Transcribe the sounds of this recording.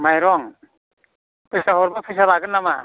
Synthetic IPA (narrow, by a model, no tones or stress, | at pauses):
majɾɔŋ | pʰɯsaɦɔɾbapʰɯjsalaɡɯnːama̰